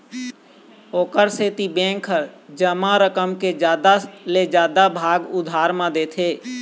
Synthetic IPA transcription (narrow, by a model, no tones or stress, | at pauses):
oːkəɾseːt̪ibɛ̃ːŋkʰəɾd͡ʒəmãɾəkəmked͡ʒjaːd̪aled͡ʒjaːd̪abʱaːɡʊd̪ʱaːɾmãd̪eːt̪ʰeː